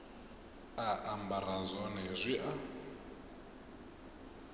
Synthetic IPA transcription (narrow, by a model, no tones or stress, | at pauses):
aʔambaɾazɔnezʷiʔa